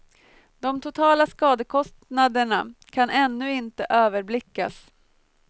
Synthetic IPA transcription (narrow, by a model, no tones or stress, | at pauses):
d̪ɔmt̪ʰʊt̪ʰɑːlaskɑːd̪əkʰɔst̪nad̪əɳakʰanʔɛnːɵɪnt̪əʔøːvəɾblɪkːa̰s